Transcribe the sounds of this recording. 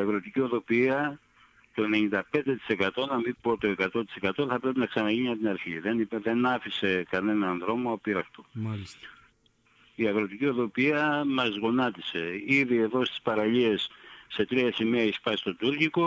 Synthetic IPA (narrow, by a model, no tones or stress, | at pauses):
iɐɣɾo̞t̪icio̞ðo̞piɐ | t̪o̞ene̞ɲind̪ɐpe̞nd̪e̞t̪i̥se̞kɐt̪o̞nɐmibo̞t̪o̞e̞kɐt̪o̞t̪i̥se̞kɐt̪o̞θɐpɾe̞pinɐksɐnɐʝiɲiɐpt̪inɐɾçiðenipeðe̞nɐfise̞kɐne̞nɐnðɾo̞moɐpiɾɐxt̪ol | iɐɣɾo̞t̪icio̞ðo̞piɐmɐzɣo̞nɐt̪ise̞iðie̞ðo̞st̪i̥spɐɾɐʎie̞sːe̞t̪ɾiɐsimiɐispɐst̪o̞t̪uɾciko̞